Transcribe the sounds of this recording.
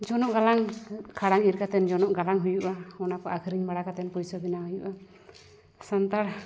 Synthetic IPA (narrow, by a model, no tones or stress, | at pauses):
d͡ʒɔnɔʔɡalaŋkʰaɽaŋiɾkat̪ɛnd͡ʒɔnɔʔɡalaŋɦujuʔaɔnakɔʔakʰɾiɲmaɽakat̪ɛnpujsɔbinaɦujuʔa | sant̪aɾ